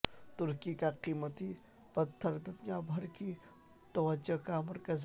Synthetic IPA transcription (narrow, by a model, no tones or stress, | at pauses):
t̪ʊɾkikaqiːmət̪i | pɐt̪ʰːəɾd̪ʊnijabʱɐɾki | t̪ɐʋɐd͡ʒːokamɐɾkɐz